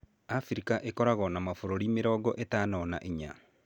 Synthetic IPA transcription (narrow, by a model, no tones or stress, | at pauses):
afiɾikaʔekɔɾaɣɔnamafoɾoɾimeɾɔːɡɔʔetaːnɔnaʔeɲa